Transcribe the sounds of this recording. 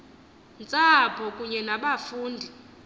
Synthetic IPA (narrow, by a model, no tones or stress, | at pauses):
nt͡sʼapʰɔkʼuɲɛnaɓafuːndʱi